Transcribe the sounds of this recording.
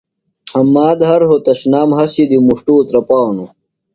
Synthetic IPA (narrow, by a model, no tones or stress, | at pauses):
hɐmːaːd̪ɦɐɾɦot̪ɐɕnaːmɦɐsid̪imuʂʈuːt̪ɾɐpaːwnu